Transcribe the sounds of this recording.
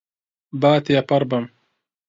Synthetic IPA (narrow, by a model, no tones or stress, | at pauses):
baːt̪japɐɾbɐm